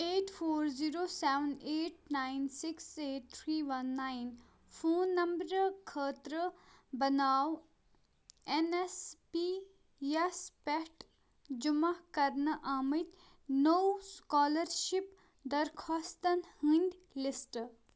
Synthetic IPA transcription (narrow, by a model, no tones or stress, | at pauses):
eːʈfʰoːɾziːɾoːsɛːʋəneːʈ̚naːinsɪkseːʈ̚t̪ʰɾiːʋɐnːaːin | fʰoːnːɐmbɾkʰəːt̪ɾəbɐnaːw | enespi | jespɛʈ | d͡ʒumakɐɾnəʔaːmit̪ | nowskɔːləɾʃip | d̪ɐɾkʰɔːst̪ɐnhĩnʲd̪ | lisʈ